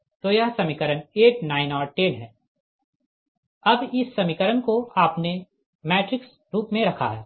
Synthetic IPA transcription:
t̪ojɐɦsɐmikəɾəneːʈnaːɪnɔːɾʈeːnɦɛː | ɐbɪsːɐmikəɾənkoaːpne | mɛːʈɾɪks | ɾuːpmẽɾɐkʰa̰ɦɛː

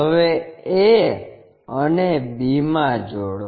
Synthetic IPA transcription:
əʋee | ənebimãd͡ʒoɽ

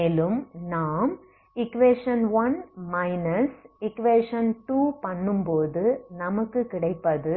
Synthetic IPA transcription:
eːlɯmnaːm | ɪkːʋeːʂɐnʋɐnmɐɪnɐsɪkʋeːʂɐnʈuːpɐɳːɯmpoːðɯnɐmɐkːɯkɪɽɐɪpːɐðɯ

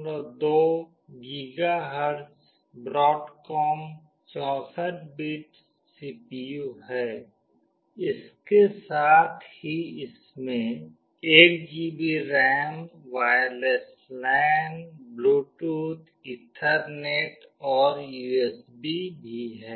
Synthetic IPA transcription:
ɾd̪oː | ɡɪɡaɦəɾs | bɾɔːʈkɔːm | t͡ʃɔ̃ːsəʈ̚biːʈ | siːpijuɦɛː | ɪskesaːt̪ʰhiɪs | mẽ | eːk̚d͡ʒiːbiɾɛːmʋaːjəles | lɛːnbluːʈuːt̪ʰ | ɪ̃ʈʰəɾneːʈɔːɾjuːeːsbibʱiɦɛː

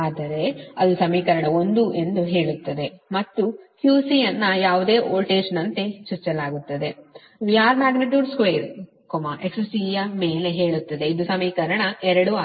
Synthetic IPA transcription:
aːd̪ɐɾe̞ɐd̪usɐmiːkɐɾɐɳɐo̞nd̪uʔe̞nd̪uɦe̞ːɭut̪ːɐd̪e̞mɐt̪ːuhjuːsijɐnːɐjaːʋud̪e̞ːʔoːɭʈeːʃɐnɐnt̪e̞t͡ʃuɾt͡ʃɐlaːɡut̪ːɐd̪e̞ | ʋijaːɾmaːɡniʈjuːɖskʋeːɾ | komaʔeksɐsijɐmeːle̞ɦe̞ːɭut̪ːɐd̪e̞id̪usɐmiːkɐɾɐɳɐɛɾɐɽua

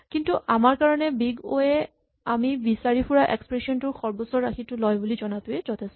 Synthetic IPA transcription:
kintuʔamaɹkaɹɔnɛbiɡo̰ɛ | amibisaɹipʰuɹaʔḛkspɹesiɔntʊɹxɔɹbɔsɔɹaxʰitʊlɔjbulizɔnatʊɛzɔtʰɛstɔ

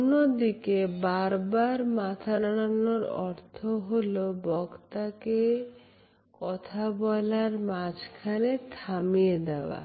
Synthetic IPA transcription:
onːod̪ikebaɾbaɾmat̪ʰaɾaɽanoɾɔ̰ɾt̪ʰoɦolobɔɡt̪ake | kɔt̪ʰabɔlaɾmad͡ʑkʰanet̪ʰamied̪ɛoʊa̰

